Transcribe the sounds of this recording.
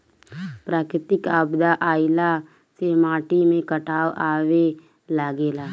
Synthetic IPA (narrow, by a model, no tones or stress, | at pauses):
pɾaːkɾɪt̪ɪkabd̪aʔaːɪla | semaːʈimẽkəʈʰaːwaːwe | laːɡeːlaː